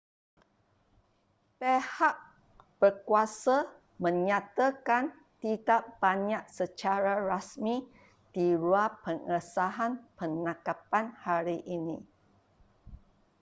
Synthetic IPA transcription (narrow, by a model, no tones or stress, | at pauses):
pehaʔ̚ | b̥ərkuasa | mə̃ɲãt̪akan | t̪idaʔ̚b̥aɲaʔ̚sət͡ʃaɾaɾasmi | d̥iɾuapəŋəsaɦanpənakapanhaɾiʔinĩ